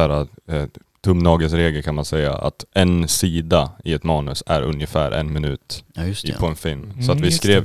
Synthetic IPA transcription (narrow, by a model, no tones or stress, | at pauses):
æːɾa | t̪ʰɵmnɑːɡəsɾeːɡəlkʰanmansɛjːa̰ʔa̰t̪ɛnsiːd̪aɪɛt̪mɑːnɵsæɾɵ̰njəfæ̰ːɾʔɛ̰nmɪnʉːt̪pʰɔɛnfɪlmsɔat̪vɪskɾeːv